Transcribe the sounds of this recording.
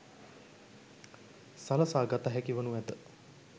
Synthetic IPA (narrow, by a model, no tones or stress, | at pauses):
saləsaːɡat̪aɦɛkiʋənuʋɛd̪ə